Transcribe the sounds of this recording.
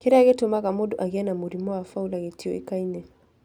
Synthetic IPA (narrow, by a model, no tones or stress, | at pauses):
kiɾaaɣetumakamɔɗɔʔaɣianamuɾimɔwafaulaɣetiɔ̰ḭkainɛ